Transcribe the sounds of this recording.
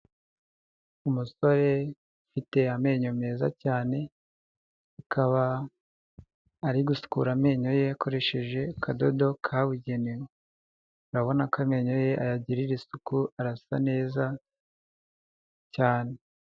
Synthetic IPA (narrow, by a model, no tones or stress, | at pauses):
umuso̞ɾe̞ | fite̞ame̞ɲome̞ːza̰caːne̞ | akʰaβa | ɾiɡusu̥kṵɾame̞ːɲo̞je̞akʰo̞ɾe̞ʃe̞ʒe̞kʰado̞do̞kʰaβuɟe̞niwe | uɾaβo̞nakʰame̞ɲo̞je̞ʔajaɟiɾiɾisukuaɾasane̞ːza | caːne̞